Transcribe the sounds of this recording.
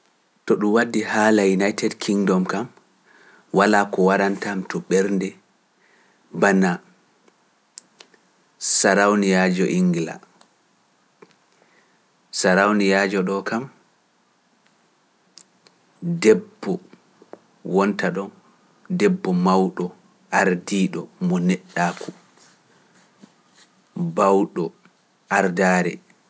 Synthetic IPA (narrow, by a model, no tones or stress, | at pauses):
tɔɗumwadːihaːlajunajtɛdkʰiŋdɔmkam | walaːkɔwaɾantamtɔɓɛɾndɛ | bana | saɾawnijad͡ʒɔʔiŋɡila̰ | saɾawnijad͡ʒɔɗɔkam | dɛbːɔ | wɔntaɗɔn | dɛbːɔmawɗɔ | ʔaɾdiɗɔmɔnɛɗːaːkʰu | bawɗɔ | ʔaɾdaːɾɛ̰